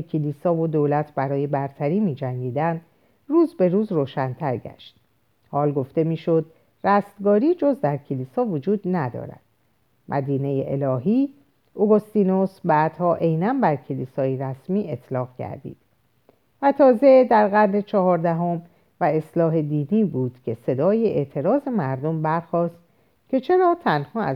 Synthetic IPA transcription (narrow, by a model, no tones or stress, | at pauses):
ekʰelisɒːvod̪oːlæt̪ʰbæɾɒːje̞bæɾt̪ʰæɾiːmiːd͡ʒæŋɟiːd̪æn | ruːzbe̞ɾuːzroːʃænt̪ʰæɾɟæ̰ʃt̪ | hɒːlɡo̞ft̪e̞miːʃo̞d̪ | ræst̪ɡɒːɾiːd͡ʒo̞zd̪æɾcʰeliːsɒːvod͡ʒuːd̪næd̪ɒ̰ːɾæ̰d̪̥ | mʔæ̰d̪iːne̞jeʔelɒːɦiː | ʔoɡost̪iːno̞sbæːd̪̥hɒːʔe̞jnænbæɾcʰe̞liːsɒːjeɾæsmiːʔe̞t̪ʰlɒːɣɟæ̰ɾd̪ḭːd̪̥ | væt̪ʰɒːze̞d̪æɾɣæɾne̞t͡ʃʰɒɦɒːɾd̪æɦo̞m | væe̞slɒːɦe̞d̪iːniːbuːd̪̥cʲʰe̞se̞d̪ɒːjeʔeʔt̪ʰe̞ɾɒːze̞mæɾd̪o̞mbæɾxɒːst̪̚ | cʲʰe̞t͡ʃʰe̞ɾɒːt̪ʰænhɒːæ